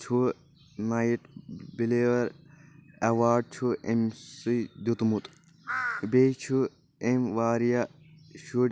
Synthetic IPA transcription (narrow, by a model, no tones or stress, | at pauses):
t͡ʃʰu | najʈbileːʋɐɾ | ɐʋaːɖ̚t͡ʃʰuemsɨjd̪ut̪mut̪ | bet͡ʃʰu | emʋaːɾija | ʃuɖ